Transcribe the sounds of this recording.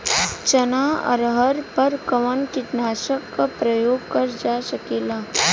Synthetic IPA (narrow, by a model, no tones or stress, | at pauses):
t͡ʃɐnaɐ̰ɾɦəɾpəɾkɐʋənkɪʈnaːʃəkːapɾəjoːɡ̚kɐɾd͡ʒaːʃɐkeːlaː